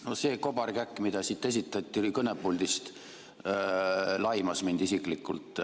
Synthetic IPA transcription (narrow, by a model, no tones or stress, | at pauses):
no̞se̞ːko̞bɑrɡækːˑmid̪̥ɑsit̪ːˑe̞s̬it̪ːˑɑt̪ʲːˑiikɤnepːuld̪̥ist̪ | lɑjmɑsmind̪̥isikˑlikːṵlt̪ˑ